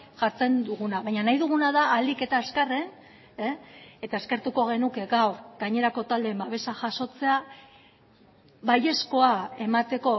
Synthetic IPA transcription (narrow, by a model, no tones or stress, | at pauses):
ʝaɾt͡se̞nd̪uɣunaβajɲanajðuɣ̞unaðaːld̪ike̞t̪aeskaren | eet̪aeske̞ɾt̪uko̞ɣ̞e̞nuke̞ɡawɾɡaɲe̞ɾako̞t̪ald̪embaβe̞saʝaso̞t͡se̞a | βaje̞sko̞ae̞mat̪e̞ko̞